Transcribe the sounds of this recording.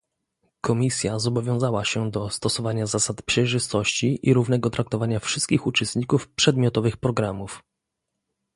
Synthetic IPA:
kɔmʲisʲjazɔbɔvʲjɔ̃w̃zawaɕɛd̪ɔst̪ɔsɔvaɲazasat̪pʂɛjʐɘst̪ɔɕt͡ɕiʔiɾuvnɛɡɔt̪ɾak̚t̪ɔvaɲafʂɘst̪̚kʲixut͡ʂɛst̪ɲikufpʂɛd̪mʲjɔt̪ɔvɘxpɾɔɡɾamuf

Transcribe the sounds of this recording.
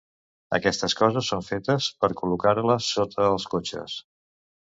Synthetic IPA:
ə̰kɛst̪əskɔzəsːoɱfet̪əspəɾkulukaɾləsːot̪ʰəːlˠskot͡ʃə̰s

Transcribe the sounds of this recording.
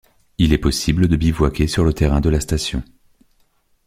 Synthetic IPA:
ilɛpɔsibləd̪əbivwakʲesyʁlət̪eʁɛ̃d̪əlast̪asjɔ̰̃

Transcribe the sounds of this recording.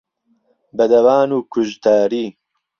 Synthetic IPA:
bɐd̪ɐwaːnuːkʰʊʒt̪aːɾiː

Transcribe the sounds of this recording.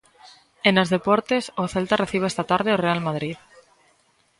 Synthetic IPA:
enozðe̞poɾt̪esoθelt̪areθiβ̞eest̪at̪aɾð̞eorealmaðɾið

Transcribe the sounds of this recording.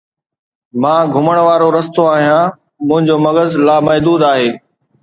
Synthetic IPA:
mãːɡʱʊməɽ̃ʋaːɾoɾɐst̪oaːɦijãː | mʊ̃ɦɪ̃ɲd͡ʑoːmɐɡəzlaːmɐɦd̪uːd̪aːɦeː

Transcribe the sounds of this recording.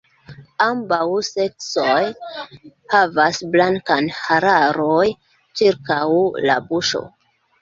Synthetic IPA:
ambawse̞k̚t͡soj | havasblaŋkanhaɾaɾoj | t͡ʃiɾkawla̰buʃo̰

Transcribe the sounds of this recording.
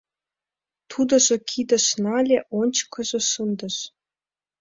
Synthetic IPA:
t̪ʰud̪ɤ̆ʒɤ̆kʰid̪ə̆ʃnɑlʲeʔonʲt͡ɕkɤ̆ʒɤ̆ʃɤnd̪ɤ̆ʃ

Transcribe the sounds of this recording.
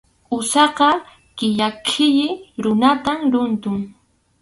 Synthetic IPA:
ʊsɑqɑ | kɪʎakʰɪʎɪɾʊnat̪amɾʊnt̪ʊŋ

